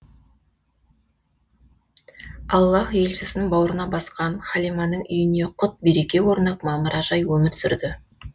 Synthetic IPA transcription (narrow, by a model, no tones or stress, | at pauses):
ɑlˠːɑχje̞lʃɪsɪnbɑwəɾənɑbɑsqɑnχɑlijmɑnəɴʏ̰jɪne̞qʰʊt̪̚be̞ɾe̞kʲe̞wo̞ɾnɑp̚mɑməɾʔɑʒɑjwɵmɪɾsʏɾd̪ɪ